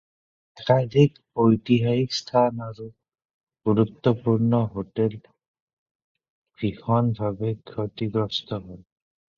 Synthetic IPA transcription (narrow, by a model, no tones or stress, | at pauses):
ɛkad̪ʱikpojtiɦajikst̪ʰanaɹu | ɡ̥uɹut̪ːɔpuɹnɔɦotɛl | b̥ixɔnbʱabɛkʰotiɡɹɔstɔɦɔj